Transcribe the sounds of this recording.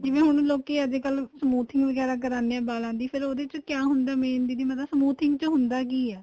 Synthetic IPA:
d͡ʒɪʋẽːɦʊñloːkeːəd͡ʒeːkəlsəmuːt̪ʰɪŋɡʋəɡɛːɾaːk̬əɾaːneɛ̃ːbaːlãːnd̪iːpʰɪɾoːd̪eːt͡ʃkjaːɦʊnd̪aːmeːnd̪iːd̪iːməasəmuːt̪ʰɪŋɡt͡ʃoɦʊnd̪aːk̬iːɛː

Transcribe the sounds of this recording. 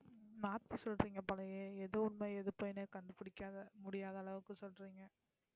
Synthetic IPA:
naːt̪ːɯsɔlɾiːŋɡɐpɐlɐjeːɛðɯʊnmɐɛðɯpoːjneːkɐɳɖɯpɪɽɪkːaːðɐmʊɽɪjaːðɐːlɐʋɯkːɯsɔlɾiːŋɡɐ

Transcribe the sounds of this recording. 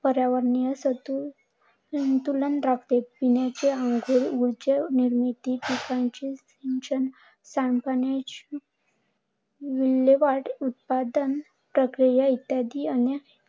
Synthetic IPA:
pəɾjaʋəɾnijəsət̪u | nt̪ulənɾakt̪epinjat͡ɕeaŋɡʱuɾɡuɾt͡ɕeniɾmit̪iʈʰikãnt͡ɕisinɕən | sampanat͡ɕi | ʋilːeʋaʈut̪̚pad̪ən | pɾəkɾijait̪jad̪iəne

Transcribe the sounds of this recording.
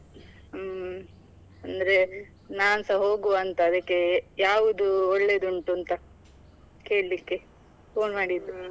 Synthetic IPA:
ɐnd̪ɾe̞ | naːnsɐɦo̞ːɡuʋɐnt̪ɐːd̪ɐkːe̞jaːʋud̪uɔɭːe̞d̪uɳʈuɐnt̪ɐ | ke̞ːɭlikːe | poːnmaːɽid̪ɾu

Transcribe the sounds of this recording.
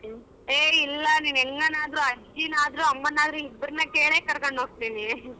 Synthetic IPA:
eːilːɐniːnɛŋɡɐnaːd̪ɾuɐd͡ʒinaːd̪ɐɾuɐmːɐnːaːd̪ɾuibɾɐnːɐkeːɭeːkɐɾkoɳɖɦoːɡ̚t̪ini

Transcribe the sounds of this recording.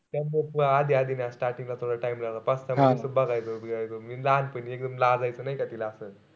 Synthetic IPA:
t̪ɐmbəpuaːd̪iad̪inasʈaɾʈiŋlat̪ʰoɽaʈajmlalapɐst̪amasubaɡajt̪obiɡajt̪omilanpəniek̚d̪əmlad͡zajt͡sənajkɐt̪ilaːsə

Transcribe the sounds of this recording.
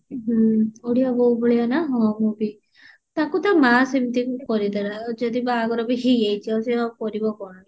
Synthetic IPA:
ɦoɽijabɔɦubɔɭijanaɦɔmubi | t̪akut̪amasemit̪ikukɔɾid̪aɾad͡ʒɔd̪ibaɡɔɾɔbiɦiejtʰiɔseɦɔkɔɾibɔkɔɽɔni

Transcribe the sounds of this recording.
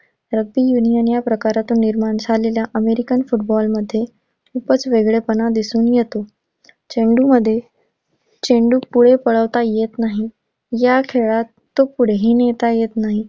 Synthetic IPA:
ɾəɡ̚t̪ijunijənjapɾəkaɾat̪uːnːiɾmaɳsʰaleljaʔəmeɾikənfuʈ̚bɔlməd̪ʱːje | upət͡sʋeɡɭepənad̪isuːnjet̪o | t͡ɕẽɳɖuməd̪ʱːje | t͡ɕeɳɖuːpuɽ̤epəɭəʋt̪ajet̪naɦi | jakʰeɭat̪ːopuɽ̤eɦiːnet̪ajet̪naɦi

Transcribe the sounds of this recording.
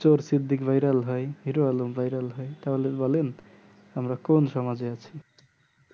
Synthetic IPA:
t͡ʃoɾsid̪ʱikbʱʌjɾʌlɦʌjɦiɾoalumbʱʌjɾʌlɦʌjt̪ʌlebolen | ɦʌmɾakonsʌmʌd͡zjat͡sʰi

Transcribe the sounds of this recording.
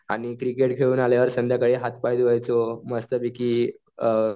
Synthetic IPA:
aɽ̃ikɾikeʈɡʰʱeɭuːnaljaʋəɾsənd̪ʱjakəɽiːɦat̪̚pajd͡z̪ʋajt͡soməst̪əbikiː

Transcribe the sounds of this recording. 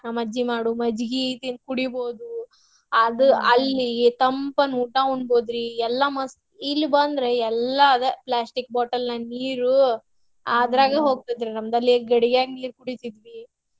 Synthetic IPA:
ɐmɐd͡ʒːimaːɽumɐd͡ʒɡit̪inkuɽibo̞ːd̪u | ɐd̪uɐlːit̪ɐmpɐnuːʈauɳɖboːd̪ɾiɛlːɐmɐs | ilːubɐnd̪ɾe̞ɛlːɐːd̪eplaːsʈik̚baːʈɐlnɐniːɾu | aːd̪ɾaːɡɐɦo̞ːɡ̚t̪id̪ɾenɐmd̪ɐlːiɡɐɽiɡjaːɡiniːɾkuɽit̪id̪ʋi

